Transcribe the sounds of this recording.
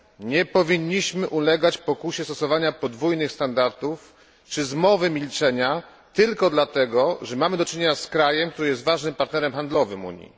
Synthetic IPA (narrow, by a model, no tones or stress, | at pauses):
ɲɛpɔvʲiɲːiɕmɘʔulɛɡat͡ɕpɔkuɕɛst̪ɔsɔvaɲapɔd̪vujnɘxst̪and̪aɾt̪uf | t͡ʂɘzmɔvɘmʲilt͡ʂɛɲa | t̪ɘlkɔd̪lat̪ɛɡɔʐɛmamɘd̪ɔt͡ʂɘɲeɲaskɾajɛmk̚t̪uɾɘjɛst̪vaʐnɘmpaɾt̪nɛɾɛmxand̪lɔvɘmṵɲjḭ